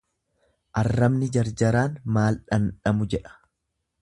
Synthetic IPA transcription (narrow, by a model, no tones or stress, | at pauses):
ʔɐrːɐmnɪd͡ʒɐɾd͡ʒɐɾaːnmaːlᶑɐnᶑɐmʊd͡ʒɛᶑɐ̥